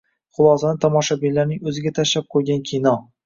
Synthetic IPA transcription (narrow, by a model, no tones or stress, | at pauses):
χʊlˠɒsanɪt̪ʰɒmɒʃabilaɾnɪŋɵzɪɡʲat̪ʰaʃlap̚qʰojɡʲankʲʰinɒ